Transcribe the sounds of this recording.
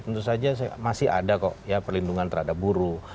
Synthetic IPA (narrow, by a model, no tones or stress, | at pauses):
t̪ənt̪usad͡ʒas̬aa̰masɪɦa̰dakɔ̰ʔjapərlinduŋant̪əɾhadap̚buɾu